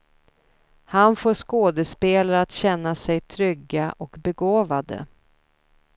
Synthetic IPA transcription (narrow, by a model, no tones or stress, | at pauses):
hanfoːʂkoːd̪əspeːlaɾat̪ɕɛnːasɛjt̪ʰɾʏɡːaʔɔkbɛɡoːvad̪ə̰